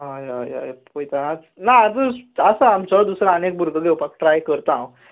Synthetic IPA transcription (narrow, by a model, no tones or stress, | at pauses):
ɦajaja̰pojt̪aat͡s | naad͡zəəsəamt͡ɕəd̪usɾaənek̚bʱuɾɡʱəɡewpak̚ʈɾajkəɾt̪ãw